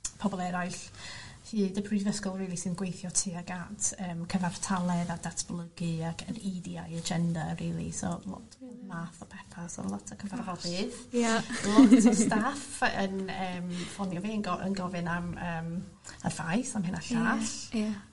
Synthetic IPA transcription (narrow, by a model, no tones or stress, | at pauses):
pʰɔbɔlˠɛɾaɨɬhiːdəpʰrivəskɔlˠriːlˠisɨnɡwejθjɔtʰiːaɡatʰəːmkʰəvar̥tʰalˠɛðadatʰb̥lˠəɡɨakʰənidiajəd͡ʒɛndariːlˠḭsɔ̰lɔ̰tʰmaːθɔpʰɛθasɔ̰lˠɔtʰəkʰəvarhɔlˠbɪːðjalˠɔtəstafə̰nəːmfɔnjɔveːənɡɔʔə̰nɡɔvɨnaməːm | ə̰rvajsamɪnaɬaɬa